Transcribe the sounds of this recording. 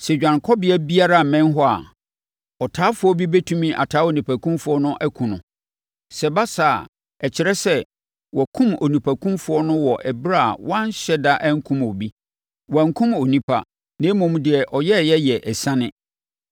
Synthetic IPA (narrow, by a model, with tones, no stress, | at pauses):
sɛ˨d͡ʑᶣã˨ŋkʰɔ˦bɪ˦ɛ˦bi˦a˦ɾa˦˨mɛ̃˦nɦɔ˦a̰˨ | ɔ˨tʰaː˦fʊ˦ɔ˦bi˦bɛ˦tʰũ˦mĩ˦ʔa̰˨tʰaː˨˦o˨nĩ˨pʰæ˨kʰũ˦mfʊ˦ɔ˦nʊ̃˦ʔæ˦kʰũ˨nʊ̃˨ | sɛ˨ba˦sa˨ | ɛ˨t͡ɕʰɪ˨ɾɛ˦sɛ˦ | wɔ˨kʰũ˦mo˨nĩ˨pʰæ˨kʰũ˦mfʊ˦ɔ˦nʊ̃˦wɔ˨ʔɛ˨bɾa˦a˨wã˦n˦ɕɛ˦da˦ʔæ̃˦ŋ̩˦kʰũ˦mo˨bi˦ | wɔ˨æ˨ŋ̩˨kʰũ˦mo˨nĩ˦pʰa̰˨ | nẽː˨˦mʊ̃˦˨m˦dɪ˨ɛ˨ʔɔ˨jɛ˦˨jɛ˦jɛ˨ʔɛ˨sã˦nɪ̃˦